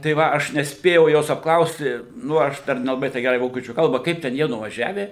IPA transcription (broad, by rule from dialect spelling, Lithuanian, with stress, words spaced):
tɐɪ ˈʋɐ ɐʃ nʲɛsʲˈpʲeːjɛʊ ˈjoːs ɐpkˈlˠɐʊsʲtʲɪ ˈnʊ ɐʃ pʲɛr ˈnʲæːlˠɐbɐɪ tʲɛɪ ˈɡʲæːrɐɪ ˈʋoːkʲiɛt͡ʃʲuː ˈkɐlˠbɐ ˈkɐɪp tʲɛn jiɛ nʊʋɐˈʒʲæːʋʲɛ